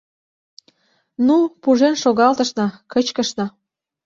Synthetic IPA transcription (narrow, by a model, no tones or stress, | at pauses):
nupuʒenʃoɣɑlt̪ə̆ʃnɑkət͡ɕkə̆ʃnɑ